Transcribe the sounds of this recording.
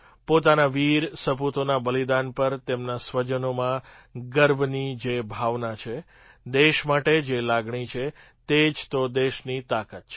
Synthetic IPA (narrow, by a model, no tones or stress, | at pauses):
pot̪anaʋiɾsəput̪onabəlid̪anpəɾt̪emnasʋəd͡ʒənomã | ɡəɾbʱnid͡ʒebʱaʋnat͡ʃʰe | d̪eʃmaʈed͡ʒelaɡɳit͡ʃʰe | t̪ed͡ʒt̪od̪eʃnit̪akat̪̚t͡ʃʰe